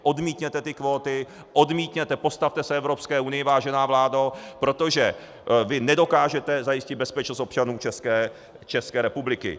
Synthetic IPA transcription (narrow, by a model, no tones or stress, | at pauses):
ʔo̞dmiːt̪ɲɛt̪ɛt̪ɪkvo̞ːt̪ɪ | ʔo̞dmiːt̪ɲɛt̪ɛpo̞st̪aft̪ɛsɛɛvɾo̞pskɛːʔunɪjɪvaːʒɛnaːvlaːdopɾo̞t̪o̞ʒɛ | vɪnɛdo̞kaːʒɛt̪ɛzajɪscɪd̪̚bɛspɛt͡ʃnost̪op̚t͡ʃanuːt͡ʃɛskɛː | t͡ʃɛskɛːɾɛpublɪkɪ̰